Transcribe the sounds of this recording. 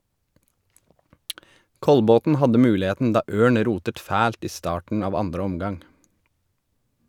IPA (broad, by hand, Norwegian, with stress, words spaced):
ˈkɔlbɔtn̩ ˈhɑdə ˈmʉːlɪˌheːtn̩ ˈdɑː ˈʔøːɳ ˈɾuːtət ˈfæːlt ˈiː ˈstɑːʈɳ̩ ˈɑːʋ ˈɑndɾə ˈɔmɡɑŋ